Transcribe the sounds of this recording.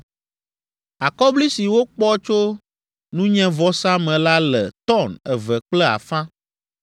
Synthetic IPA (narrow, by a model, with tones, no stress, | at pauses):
a˨kɔ˦bli˦si˨wo˦k͡pɔ˦t͡ʃo˦ | nũ˦ɲɛ̃˦vɔ˦sã˦mɛ̃˨la˦lɛ˨t̪ɔ˦˨nɛ˨vɛ˨k͡plɛ˦a̰˨fã˦